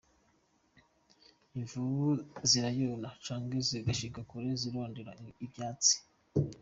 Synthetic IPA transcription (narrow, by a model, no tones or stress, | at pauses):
iɱvuβuziɾajonat͡ʃaːŋɡeziɡaʃiɡakuɾeziɾoːndeɾa̰ibjaːt͡si̥